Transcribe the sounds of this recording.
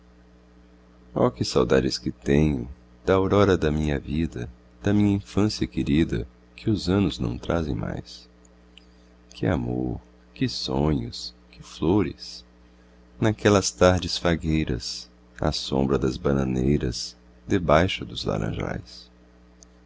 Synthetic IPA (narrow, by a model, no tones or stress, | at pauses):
ɔ̰kɪsawd̪ad͡ʒɪskɪt̪ẽɲʊ | d̪aoɾɔɾɐd̪ɐmĩɲɐvid̪ɐ | d̪̥ɐmĩɲɐĩfɐ̃sjɐkɪɾid̪ɐ̰ | kʰɪʊzɐ̃nʊznɐ̰̃w̃t̪ɾazẽj̃ma̰js | kʰɪamoɾ | kɪsõɲʊs | kɪfloɾɪs | nakɛlɐst̪aɾd͡ʒɪsfaɡejɾɐ̰s | a̰sõ̰mbɾɐd̪ɐzbɐnɐ̃nejɾɐ̰z̥ | d̪ɪbajʃʊd̪ʊzla̰ɾɐ̰̃ʒa̰js